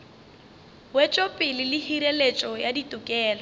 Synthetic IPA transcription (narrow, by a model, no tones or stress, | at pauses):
wet͡ʃʼopʼɪlɪlɪhiɾelet͡ʃʼɔjaditʼʊkʼɛːlɔ